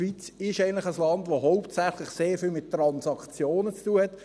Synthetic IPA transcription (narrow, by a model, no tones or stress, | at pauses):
ʋit͡sɪʃɛɪənlɪχəslɑndʋoɦoʊptsæχlɪχseːɾfɪlmɪttːɾɑnsɑkt͡sjoːnət͡stuəhɛt